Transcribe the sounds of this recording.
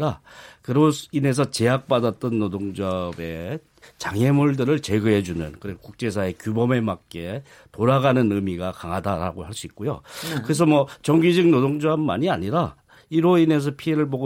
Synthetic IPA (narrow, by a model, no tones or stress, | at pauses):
ɾakɯɾoine̞s̬ʰʌt͡ɕe̞ɦak̚p͈adat͈ʌnːodoŋd͡ʑʌbe̞ | t͡ɕaŋe̞muɭdɯɾɯɭt͡ɕe̞ɡɯɦe̞d͡ʑunɯnkɯɾeɡokuk̚t͡ɕ͈e̞s̬ʰae̞kʲjubʌme̞mak͈e̞ | toɾaɣanɯnɯmiɡakaŋɦadaɾa̰ɡohɦaɭs͈uik̚k͈ojo̰kɯɾe̞s̬ʰʌmwʌt͡ɕʌŋɡid͡ʑɯɡnodoŋd͡ʑʌmːa̰ɲiaɲiɾa | iɾoine̞s̬ʰʌpʰie̞ɾɯɭboɡo